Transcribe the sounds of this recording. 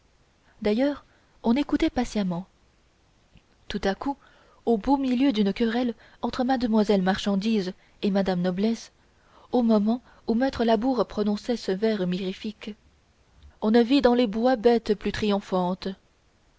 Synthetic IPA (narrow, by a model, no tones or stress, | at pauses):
d̪ajœːʁ | ɔ̃nekut̪ɛpasjamɑ̃ | t̪ut̪aku | obomiljød̪ynkʲəʁɛl | ɑ̃t̪χəmad̪əmwazɛlmaʁʃɑ̃d̪iz | emad̪amnɔblɛs | omɔmɑ̃ | umɛt̪χəlabuʁpχɔnɔ̃sɛsəvɛʁmiʁifik | ɔ̃navid̪ɑ̃lebwabɛt̪plyt̪χijɔ̃fɑ̃t̪